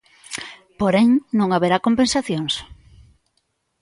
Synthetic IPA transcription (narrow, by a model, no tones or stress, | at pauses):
poɾeŋnõŋaβeɾakompẽnsaθjoŋs